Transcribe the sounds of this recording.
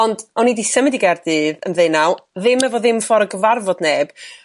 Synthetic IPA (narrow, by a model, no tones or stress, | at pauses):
ɔndɔnidisəmɪdiɡardɨːðə̰nðejnawðɪmɛvɔðɪmfɔɾəɡəvarvɔdneːb̥